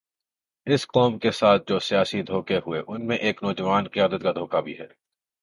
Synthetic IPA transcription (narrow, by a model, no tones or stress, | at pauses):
ɪsqɔːmkesaːt̪̚ʰd͡ʒoːsijaːsid̪ʱoːkeɦʊeʔʊnmẽʔeːknɔːd͡ʒəʋaːnqijaːd̪ət̪̚kad̪ʱoːkabʱiɦɛː